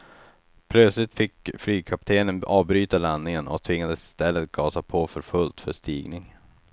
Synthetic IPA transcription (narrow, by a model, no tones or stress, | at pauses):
pʰlœt̪slɪt̪fɪkflyːɡ̚kʰap̚t̪ʰeːnənɑːvbɾyːt̪alanːɪŋənɔ̰kt̪ʰvɪŋːad̪əsɪ̥st̪ɛlːət̪̚ɡ̥ɑːsapʰoːfœɾfɵlt̪fœʂt̪iːɡnɪŋ